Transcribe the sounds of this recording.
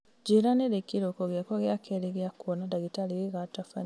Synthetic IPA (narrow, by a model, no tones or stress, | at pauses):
ɟiɾanelekiɾokoɣjakoɣjakeliɣjakuonadaɡitaliɣiɣatafa̰